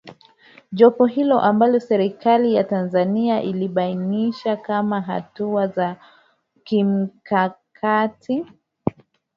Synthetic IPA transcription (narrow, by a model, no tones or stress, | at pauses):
ʄɔpɔɦilɔʔambalɔsɛɾikalijatanzaniaʔiliɓainiʃakamaɦa̰tuaza | kim̩kakʰatʰi